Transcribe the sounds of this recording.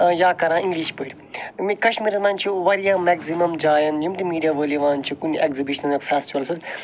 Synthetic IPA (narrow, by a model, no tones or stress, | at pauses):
jaːkɐɾãːĩŋɡliʃpəːɾʲ | mikɐʃmiɾɐzmãːnʲt͡ʃʰuʋɐɾijaːmɛːɡzimɐmd͡ʒaːjɐnjumt̪imiːɾiaʋəːliʋãːnʲt͡ʃʰukunʲɐkzibiʃnɐnɐksaːst͡ʃʰʋɐlɐsud̪